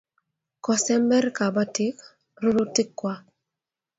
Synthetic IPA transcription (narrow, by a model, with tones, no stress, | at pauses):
kɔ˨sɛ˦mːɛ˦ɾka˨ba˦tɪ˦k | ɾo˦lo˦tɪ˦kːwa˦